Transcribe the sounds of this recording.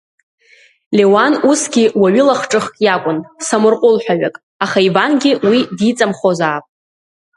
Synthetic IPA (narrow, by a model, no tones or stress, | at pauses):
lʲewanusɡʲɪwaɥɪlaχʈ͡ʂʼɨχkʼjakʷʼʊnsamʊrqʼʊlħʷᶣaɥʷa̰kʼ | aχaivanɡʲɪwidit͡sʼamχozaːpʼ